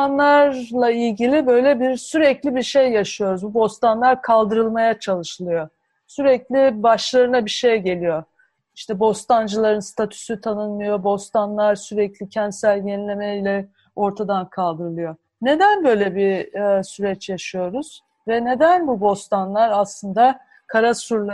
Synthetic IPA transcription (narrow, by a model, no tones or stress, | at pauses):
anlˠaɾlˠailʲɟilʲibø̞jlʲɛbiɾsyɾɛclʲibiɾʃejːaʃɯjo̞ɾuzbubo̞st̪anlˠaɾkʰalˠd̪ɯɾɯlˠmajat͡ʃʰalˠɯʃɯlˠɯjo | syɾɛclʲibaʃlˠaɾɯnabiɾʃejɟe̞lʲijo̞ | iʃt̪ʰɛbo̞st̪ʰand͡ʒɯlˠaɾɯnst̪ʰat̪ʰy̥syt̪ʰanɯnˠɯjo̞bo̞st̪ʰanlˠaɾsyɾɛclʲicʰɛnt̪sælʲjenilʲe̞mɛilʲɛ | o̞ɾt̪ʰad̪ankʰalˠd̪ɯɾɯlˠɯjo̞ | ne̞d̪ænbø̞jlʲɛbisyɾɛt͡ʃjaʃɯjo̞ɾuz̥ | vɛne̞d̪ænbubo̞st̪ʰanlˠaɾaslˠɯnd̪a | kʰaɾasuɾlˠ